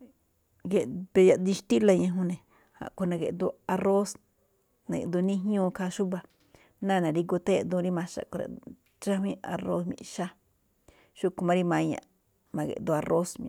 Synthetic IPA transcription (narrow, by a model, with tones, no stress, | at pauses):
ɡe˧be˧˨ja˧˨d̪i˧ʃt̪i˦la˧ɲã˧ɦũ˧nẽ˨ | ha̰˨ko˧nã˧ɡe˨ʔd̪u˧a˧ro˦s | nã˧ɡḛ˨ʔd̪u˧nĩ˦ɦɲõː˦˧ka˧ʃu˦ba˧ | nã˦˨nã˨ɾi˧ɡo˧t̪e˦d̪ũ˧ɾi˦mã˧ʃa̰˧˨ko˧ɾa̰˨ | t͡ʃa˦ɦwĩ˦a˧ro˧smḭ̃˧˨ʃa˦ | ʃu˦ku˧mã˧ɾi˧mã˧ɲã̰˧˨ | mã˧ɡḛ˨ʔd̪u˧a˧rʔo˦smḭ̃˧